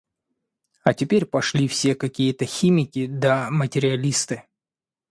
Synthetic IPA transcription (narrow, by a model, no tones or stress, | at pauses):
ɐtʲɪpʲeɾʲpɐʂlʲifsʲe̞kɐkʲijət̪əxʲimʲɪkʲɪd̪ɐmətʲɪɾʲɪɐlʲist̪ɨ